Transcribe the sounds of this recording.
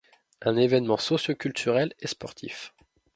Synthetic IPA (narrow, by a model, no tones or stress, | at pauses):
ɛ̃nevɛnmɑ̃sɔsjokʲylt̪ʰyʁɛlespɔʁt̪ʰḭf